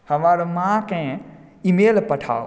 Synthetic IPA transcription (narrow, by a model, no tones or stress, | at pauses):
hɐmaːɾmãkẽ | imeːlpɐʈʰa̰ːo